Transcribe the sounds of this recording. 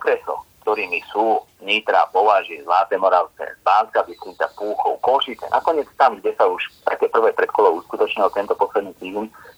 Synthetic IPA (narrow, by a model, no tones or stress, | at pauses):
ɔkɾɛsɔ̰kt̪ɔɾiːmisuː | ɲiːt̪ɾa̰pɔʋaʒizlaːt̪ɛːmɔɾaʊskɛ̰zbaːskabist̪ɾit̪apuːxɔʊkɔlʃit͡sɛ̰nʔa̰kɔɲɪɛt͡st̪amɡɟɛsauʃt̪akɛːpr̩ʋɛpɾɛt̪kɔlɔʊuskut̪ɔt͡ʃɲilt̪ɛnt̪ɔpɔslɛd̪niːt̪iːm